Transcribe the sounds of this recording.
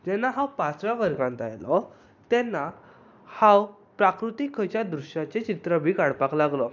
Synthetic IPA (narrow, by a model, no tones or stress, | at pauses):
d͡ʑɛnːaɦawpãt͡sʋjaʋəɾɡãnt̪a̰jlɔ | t̪ɛnːa | hãw | pɾakɾut̪ikʰːət͡ɕjad̪ɾuɕjat͡ɕet͡ɕit̪ɾəbʱiːkaɽpaklaɡlɔ